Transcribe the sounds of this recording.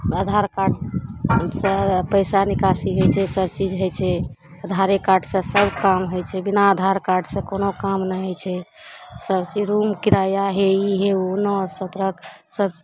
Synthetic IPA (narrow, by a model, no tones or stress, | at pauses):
əd̪ʱaɾkaɖ | sə̃pəɪsanikasiɦojt͡ʃʰɛsəb̚t͡ʃid͡ʒɦojt͡ʃʰɛ | əd̪ʱaɾekaɾɖsẽsəbkamɦojt͡ʃʰɛbinaəd̪ʱaɾkaɾɖsẽkonokamnaɦot͡ʃʰɛ | səbt͡ʃid͡ʒɾumkiɾajaɦeiɦeonɔsət̪ɾəksəb